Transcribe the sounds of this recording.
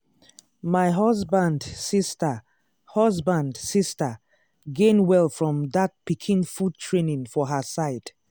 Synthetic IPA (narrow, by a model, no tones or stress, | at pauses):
maɪɦɔzbãndsistə | hɔzbãndsistə | ɡẽnwɛlˠfɹɔ̃mdak̚pikʰĩnfud̚tʰɹenĩŋfɔɦəsaɪd